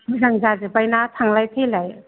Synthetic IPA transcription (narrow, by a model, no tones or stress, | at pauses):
zaŋzazebajnatʰaŋlajtʰelaj